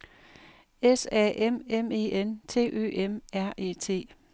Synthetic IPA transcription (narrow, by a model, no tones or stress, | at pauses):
esɛ̰ʔememe̝̰ːent͡sʰe̝̰ːʔø̰ːʔemæɐ̰ʔe̝̰ːt͡sʰe̝̰ː